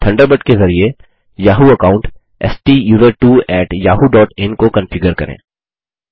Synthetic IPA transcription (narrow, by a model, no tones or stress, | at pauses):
ʈʰɐ̃ɳɖəɾbəʈkezɐɾie | jaːɦuɐkaːʊ̃ɳʈ | ɛ̰sʈijuːzəɾʈuːɛːʈjaːɦuɖɔːʈɛ̃nkokɐ̃nfɪɡəɾkɐɾḛ̃ː